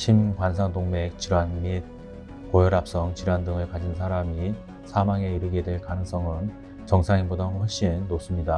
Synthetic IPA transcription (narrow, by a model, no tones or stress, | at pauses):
ɕʰimkwans̬ʰaŋdoŋme̞k̚t͡ɕiɾwanmid̚ | kojʌɾap̚s͈ʌŋt͡ɕiɾwandɯŋɯɭkad͡ʑins̬ʰaɾami | sʰamaŋe̞iɾɯɡe̞dweɭkanɯŋs͈ʌŋɯn | t͡ɕʌŋsʰaŋimbodʌɸwʌɭɕ͈inːos͈ɯmɲida